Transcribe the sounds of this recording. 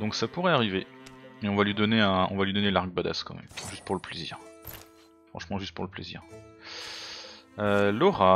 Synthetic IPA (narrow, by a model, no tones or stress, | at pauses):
d̪ɔ̃ksapuʁɛaʁiveeɔ̃valɥid̪ɔneɛ̃ɔ̰̃valɥid̪ɔnelaʁɡ̚bad̪a̰skɑ̰̃mɛ̰mʒyst̪̚puʁləplezḭːʁ | fχɑ̃ʃmɑ̃ʒyst̪̚puʁləplezḭːʁ | lɔʁa